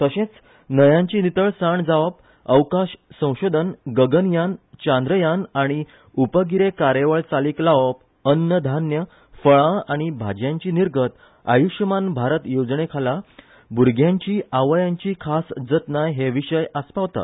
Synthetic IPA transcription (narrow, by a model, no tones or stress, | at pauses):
k̪əɕẽt͡s | nəjãɲt͡ɕinit̪əɭsaɳd͡zaʋəp̚ | əʋkaɕsə̃w̃ɕod̪ʱənɡəɡənjant͡ɕãnd̪ɾəjanaɽ̃i | upəɡiɾekaɾjeʋəɭt͡saliːklaʋp | ənjəd̪ʱanjə | fəɭãaɽ̃ibʱad͡ʑjãɲt͡ɕiːniɾɡət̪ | a̰juʂjəmanbʱaɾət̪jod͡znekʰala | buɾɡʱjãɲt͡ɕiːʔaʋəjãɲt͡ɕiːkʰasd͡zət̪najɦeʋiɕəjʔəspaʋt̪a̰